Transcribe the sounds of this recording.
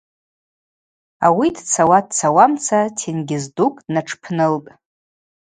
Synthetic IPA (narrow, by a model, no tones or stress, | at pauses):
awidt͡sʰawad̚t͡sʰawamt͡sʰatʰinɡʲɪzdukʼnaʈ͡ʂʰpʰnɨltʼ